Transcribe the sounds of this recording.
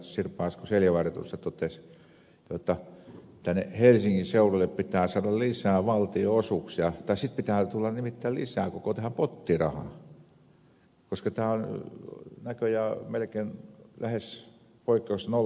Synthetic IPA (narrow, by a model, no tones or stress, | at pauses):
sirpɑˑːskuseljæʋɑret̪ṵst̪ɑt̪ot̪es | jot̪ːɑ | t̪ːænḛhelsiŋkiseurolːeppit̪æːsɑːɾɑllisæːʋɑlt̪ioosuksjɑt̪ɑisit̪̚pit̪æːt̪ulːɑnnimit̪ːæːllisæːkokot̪ehæmpot̪ːirɑhɑ̰ | koskɑt̪æːon | nækøjæmelkeːnlæhes | poikːˑeusno